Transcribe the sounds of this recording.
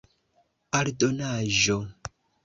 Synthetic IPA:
aɾdonaʒo

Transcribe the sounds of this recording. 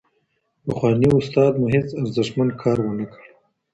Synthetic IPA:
paxwɑːniʊst̪ɑːd̪muɦet͡saɾzɪʂmankʰɑːɾwənakəɽ

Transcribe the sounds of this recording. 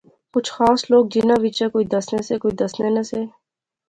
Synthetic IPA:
kʊt͡ʃʰxaːsloːɡ̚d͡ʒinãʋit͡ʃakoːid̪ɐsnesekoːid̪ɐsnenɐse

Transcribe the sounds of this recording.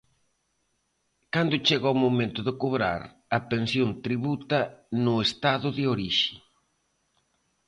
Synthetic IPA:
kand̪ʊt͡ʃeɣawmomẽnt̪ʊðekoβɾa̰ɾ | ɐpensjont̪ɾiβut̪ɐnʊest̪aðʊðɪoɾiʃɪ̥

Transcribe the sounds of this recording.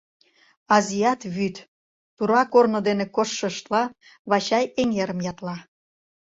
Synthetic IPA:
ɑziɑt̪βyt̪ | tuɾɑkornŏd̪enekoʃːəʃt̪lɑ | βɑt͡ɕɑjeŋeɾə̆mjɑt̪lɑ

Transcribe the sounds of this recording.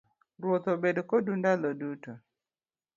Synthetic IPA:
ɾwot̪obedkodundaloduto

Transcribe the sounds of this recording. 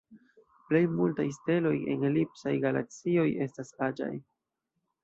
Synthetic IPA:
ple̞jmultajste̞lo̞̰je̞̰nlipsajɡala̰k̚t͡sio̞je̞stasad͡ʒa̰j

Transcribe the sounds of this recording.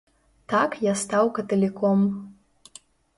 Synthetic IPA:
t̪ʰakjast̪awkɐt̪ɐlʲikʰom

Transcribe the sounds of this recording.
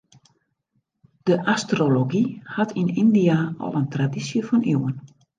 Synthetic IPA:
d̥əʔastroloɡihatʰinindiaɔ̰lˠəntradisjəfɔnʔiwən

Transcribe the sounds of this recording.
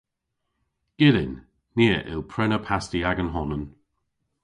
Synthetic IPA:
ɡ̥ɪlɪnː | eːʔɪ̰lˠpʰɹɛnəpʰastiaɡənɦɔnən

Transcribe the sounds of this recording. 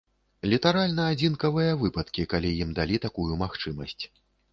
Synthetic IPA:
lʲit̪aɾalʲnɐːd͡zʲinkɐvɨjɐvɨpɐt̪kʲikalʲijimd̪alʲit̪akujumaxt͡ʂɨmɐsʲt͡sʲ

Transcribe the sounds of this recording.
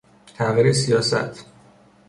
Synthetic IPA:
t̪ʰæɣiːɾesijɒːsæ̰t̪ʰ

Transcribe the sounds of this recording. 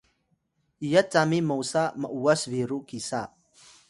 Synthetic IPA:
ʔijat͡samimowsaməʔuəsviɾukisa

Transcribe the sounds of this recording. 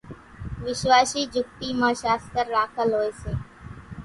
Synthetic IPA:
ʋɪʃʋaːʃiːd͡ʒʱʊk̚t̪iːmãːʃaːst̪əɾːaːkʰəlɦoːeːseː

